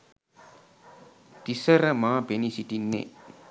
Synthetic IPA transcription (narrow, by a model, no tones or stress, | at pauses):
d̥isɐɾɐmaːbenisitinːḛ